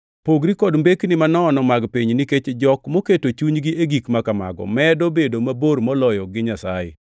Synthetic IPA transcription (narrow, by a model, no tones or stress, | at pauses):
poɡɾikɔdmbeknɪmanɔːnɔmaɡpiɲniket͡ʃd͡ʒɔkmoketot͡ʃuɲɡiʔeɡikmakama̰ɡɔ̰mɛdobedomaboɾmɔlɔjɔɡɪɲasajḛ